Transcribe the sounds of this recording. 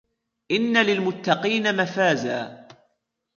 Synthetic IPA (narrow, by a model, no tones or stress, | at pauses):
ʔɪnːalɪlmʊt̪ːɑqiːnamafaːzaː